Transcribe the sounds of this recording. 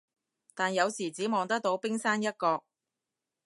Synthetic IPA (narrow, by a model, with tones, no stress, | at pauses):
t̪aː˨njɐ˨˧wsiː˨˩t͡siː˨˥mɔː˨˧ŋt̪ɐ˥k̚t̪o˨˥wpɪ˥ŋsaː˥njɐ˥t̚kɔː˧k̚